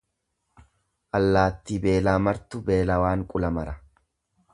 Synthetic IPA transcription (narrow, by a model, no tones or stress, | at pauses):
ʔɐlːaːt̪ːibe̞ːlaːmɐɾt̪ʊbe̞ːlɐwaːŋkʼʊlɐmɐɾɐ